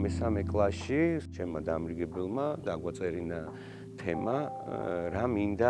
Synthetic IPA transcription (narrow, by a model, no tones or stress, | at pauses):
mɛsamɛkʼlˠaʃit͡ʃʰɛmad̪amɾiɡɛbɛlˠmad̪aɡwat̪sʼɛɾina | t̪ʰɛma | ɾamind̪a